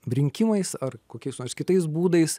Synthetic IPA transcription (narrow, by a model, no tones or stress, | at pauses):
ɾʲɪŋʲkʲɪmɐɪsɐrkoːkʲɛɪsnoːskʲɪt̪ɐɪs̬buːd̪ɐɪs